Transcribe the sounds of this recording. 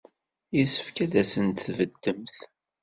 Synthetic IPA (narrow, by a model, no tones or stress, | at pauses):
jisə̥fkæd̪æsənt̪θvəd̪ːəmθ